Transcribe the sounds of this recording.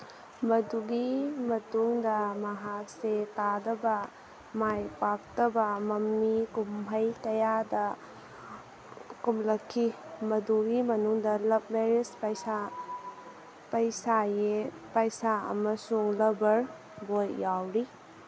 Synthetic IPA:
mɐduɡimɐtuŋdɐmɐɦak̚setadɐbɐ | majpak̚tɐbɐmɐmːikumɦɐjtɐjadɐ | kumlɐkʰːimɐduɡimɐnuŋdɐlɐp̚meɾispɐjsa | pɐjsaje | pɐjsaɐ̰mɐsuŋlɐbɐɾ | bojjawɾi

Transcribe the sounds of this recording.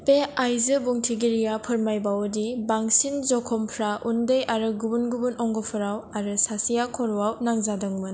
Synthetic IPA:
peajzɯbuŋtʰiɡiɾijapʰɯɾmajbawdibaŋsinzɔkʰɔmpʰɾaʔundɯjaɾɯɡubunɡubunɔŋɡɔpʰɯɾawaɾɯsasijakʰːɔɾuwawnaŋzadɯŋmɯn

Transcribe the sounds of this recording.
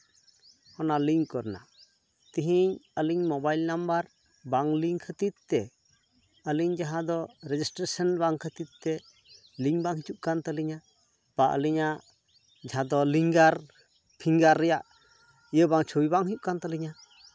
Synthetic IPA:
hɔnaliŋkɔɾna̰ | t̪iɦiɲəliɲmɔbajlnambaɾ | baŋliŋkʰət̪it̪̚t̪ɛ | əliɲd͡ʒaɦãd̪ɔɾɛd͡ʒisʈɾesənbaŋkʰət̪it̪̚t̪ɛ | liŋbaŋɦit͡ʃuʔ̚kant̪əliɲa | paʔə̰liɲa | d͡ʒaɦãd̪ɔliŋɡaɾ | pʰiŋɡaɾːɛjaʔ | ijəbaŋt͡ʃʰowibaŋɦiuʔ̚kant̪əliɲa

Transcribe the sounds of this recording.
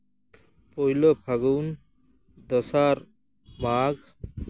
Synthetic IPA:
pojlɔpʰaɡun | d̪ɔsaɾ | maɡ

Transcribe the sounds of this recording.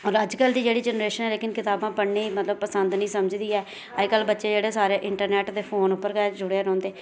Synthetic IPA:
ɔːɾəd͡ʒkəld̪iːd͡ʒeːɽiːd͡ʒɛnɾeːʃənɛːleːkɪnkɪt̪aːbãːpəɽniːmət̪ləb̚pəsənd̪nəĩːsəməd͡ʒd̪iːɛː | əkəlːbətːʃeːd͡ʒeːɽeːsaːɾeːʔɪɳʈəɾnɛːʈd̪eːpʰoːnʊpːəɾɡɛːd͡ʒʊɽeaːɾɔ̃ːnd̪eː

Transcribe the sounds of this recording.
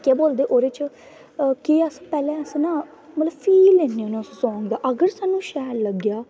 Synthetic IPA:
kɛːboːld̪eːʔoːɾeːt͡ʃ | kiəspɛːlɛ̃ːəsnãː | mət̪ləbfʰiːlːeːneoːnãssɔ̃ːŋɡd̪aːʔəɡəɾsaːnːũːʃɛːɾləɡjaː

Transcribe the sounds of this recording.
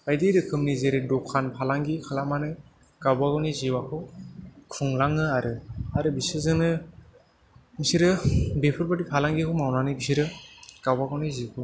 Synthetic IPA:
ajdiɾɯkʰɯmnizeɾɯdɔkʰanpʰalaŋɡikʰalamanɯ | kawbaɡawniziwakʰɯkʰɯŋlaŋɯaɾɯaɾɯbisɯzɯnɯ | bisiɾɯbepʰɯɾpatipʰalaŋɡikʰɯmawnanɯbisiɾɯɡ̥awbaɡawnizikʰɯ

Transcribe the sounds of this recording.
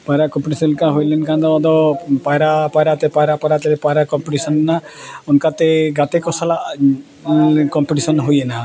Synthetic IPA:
pajɾakɔmpiʈisɔnkaɦojlenkãnd̪ɔd̪ɔpajɾapajɾat̪epajɾapaɾat̪elepajɾakɔmpiʈisɔnːaunkat̪eɡat̪ekɔsala | kɔmpiʈisɔnɦojena

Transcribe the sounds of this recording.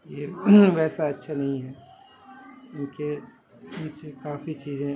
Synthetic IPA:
jeʋɛːsaɐtːʃʰanɐɦĩɦɛ | ũːke | ʊnsekaːfit͡ʃiːzẽ

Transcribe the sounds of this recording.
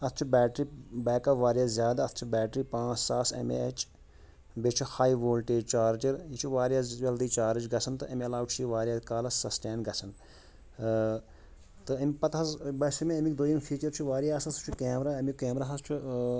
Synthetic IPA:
ɐt̪ʰt͡ʃʰubɛːʈɾiːbɛːkɐʋaːɾijaːzʲjaːd̪aɐt̪ʰt͡ʃʰubɛːʈɾiːpãːt͡ʃsaːsɐ̰meɐt͡ʃ | bet͡ʃʰuhaːiʋoːlʈeːd͡ʒt͡ʃaːɾd͡ʒɐɾjit͡ʃʰuʋaːɾijazd͡ʒɐld̪iːt͡ʃaːɾɐd͡ʒɡɐsʰɐnt̪ɨɐmiɐlaːwʈt͡ʃʰiʋaːɾʲijaːkaːlɐssɐsʈeːɳɡɐsʰɐn | t̪ɨɐmipɐt̪ɐzbɐsmiɐmikd̪oːjimfʰiːt͡ʃɐɾt͡ʃʰuʋaːɾijaːsɐst͡ʃʰukeːmɾaːɐmikeːmɾaːɦɐst͡ʃʰu

